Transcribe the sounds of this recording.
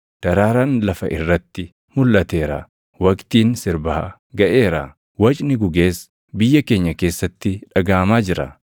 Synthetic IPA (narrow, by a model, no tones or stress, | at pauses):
d̪̥ɐɾaːɾaːnlɐfɐ̰ʔɪrːɐt̪ːɪ | mʊlːɐt̪e̞ːɾɐ̰ | wɐkt̪iːnsɪɾbɐha | ɡɐʔe̞ːɾa | wɐt͡ʃʼnɪɡʊɡe̞ːs | bɪjːɐke̞ːɲːɐke̞ːsːɐt̪ːɪᶑɐɡaːmaːd͡ʒɪɾɐ̰